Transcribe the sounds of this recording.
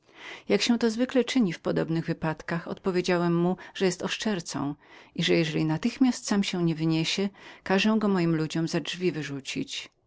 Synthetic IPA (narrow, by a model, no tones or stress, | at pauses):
jakɕɛw̃t̪ɔzvɘklɛt͡ʂɘɲifpɔd̪ɔbnɘɣvɘpat̪kaxɔ̰t̪pɔvʲjed͡ʑawɛmːuʐ̥ɛjɛst̪ɔʂt͡ʂɛɾt̪sɔ̰̃w̃iʐɛjɛʐɛlʲinat̪ɘxmʲjast̪samɕɛw̃ɲɛvɘɲeɕɛkaʐɛ̃ɡɔmɔjimlud͡ʑɔmzadvʲivɘʐut͡ɕḭt͡ɕ